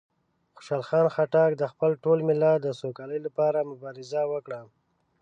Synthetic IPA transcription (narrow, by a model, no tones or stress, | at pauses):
xʊ̥ʃɑlxɑnxaʈɑkd̪əxpəlʈolmɪlɑd̪əsokaləjlapɑɾamʊbɑɾɪzawəkɽa